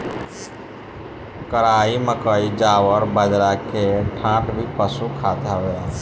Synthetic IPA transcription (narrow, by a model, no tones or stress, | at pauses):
kəɾaːiməkəid͡ʒaːwəɾbəd͡ʒɾakeʈʰãːʈbʱipəsukʰaːt̪aɦoja